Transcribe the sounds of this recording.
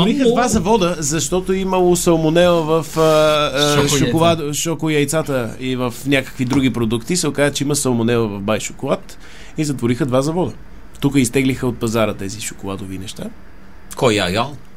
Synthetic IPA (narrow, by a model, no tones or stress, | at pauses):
ɾixəd̪vazɐvɔd̪əzɐʃt̪ɔt̪oimɐlˠosɐlˠmonɛəvɐfə | ʃʊkolˠad̪ʃɔkoiɐjt̪sat̪əivəfnʲakə̥kvid̪ɾuɡ̟ipɾod̪ukt̪isɛokazət͡ʃɛiməsɐlˠmonɛlˠvɐvbajʃʊkolˠat̪ | izɐt̪voɾixəd̪vazɐvɔd̪ə | t̪ukəist̪ɛɡlixəot̪̚pɐzaɾət̪ɛziʃʊkolˠad̪ovinɛʃt̪a | kɔja̰ɡalˠ